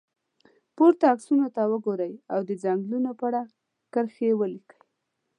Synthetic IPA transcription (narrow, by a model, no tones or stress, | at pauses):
poɾt̪aːksunot̪awəɡoɾəjawd̪əd͡zaŋɡlunopəaɽa | kəɾxewəlikəj